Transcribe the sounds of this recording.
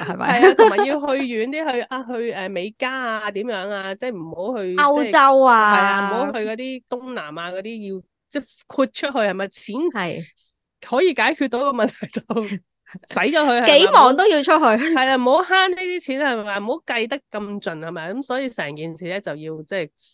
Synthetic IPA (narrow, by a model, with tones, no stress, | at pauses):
hɐ˨˩mɐ̰˧hɐ˨ja˧t̪ʰmaː˨˩ji˧wɦɵ˧ɥjyː˨˥nt̪iː˥hɵ˧ɥʔaː˧ɦɵ˧ɥɛː˨me˨˧jkaː˥aː˧t̪iː˨˥mjœː˨˥ŋaː˧t͡sɛ˥˩m̩˨˩ho˨˥whɵ˧ɥɐ˧t͡swt͡sɐ˥waː˧hɐ˨jla˧m̩˨˩ho˨˥whɵ˧ɥkɔː˨˧˥t̪iː˥t̪ʊ˥ŋna̰ː˨˩maː˧kɔː˨˧˥t̪iː˥ji˧w | t͡sɛː˥˩ | kʰuː˧t̚t͡ʃʰɵ˥t̚hɵ˧ɥhɐ˨˩jmaː˧t͡sʰiː˨˥nj | hɔː˨˥jiː˧kaː˨˥jkʰyː˥˧t̚t̪o˨˧˥wkɔː˧mɐ˨nt̪ʰɐ˨˩jt͡sɐ˨˩w | sɐ˨˥jt͡ʃɔː˨˧˥hɵ˧ɥhɐ˨e˨˥˧mɔː˨˩ŋt̪o˥wjiː˧t͡ʃʰɵ˥t̚hɵ˧ɥhɐ˨jlaː˧m̩˨˩ho˨˥wɦaː˥nniː˥t̪iː˥t͡sʰiː˨˥nhɐ˨˩jmaː˨˧m̩˨˩ho˨˥wkɐ˧jt̪ɐ˥kkːɐ˧mt͡ʃɵ˨nhɐ˨˩jmaː˨˧kɐ˨˦˥msɔː˨˥jiː˧sɛː˨˩ŋkiː˨nsiː˨˩lɛː˥t͡sɐ˨wjiː˧wt͡sɛː˥˩j